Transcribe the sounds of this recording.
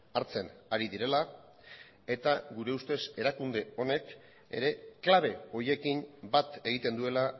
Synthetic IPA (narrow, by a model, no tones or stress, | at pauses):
aɾt͡se̞naɾiðiɾe̞la | e̞t̪aɣuɾe̞ust̪e̞se̞ɾakund̪e̞o̞ne̞k | e̞̰ɾe̞klaβ̞e̞o̞je̞kinbat̪e̞ɣ̞it̪e̞nd̪ue̞la